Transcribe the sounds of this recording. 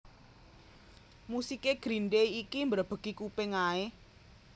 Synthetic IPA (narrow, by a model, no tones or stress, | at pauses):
musikeɡ̥ɾinɖeikimbəɾab̥ə̤ɡ̥ikupeŋae